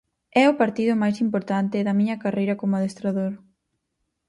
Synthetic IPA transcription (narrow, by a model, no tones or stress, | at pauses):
ɛʊpaɾt̪iðʊmajsimpoɾt̪ant̪ɪðɐmiɲɐkarejɾɐkomʊaðest̪ɾaðoɾ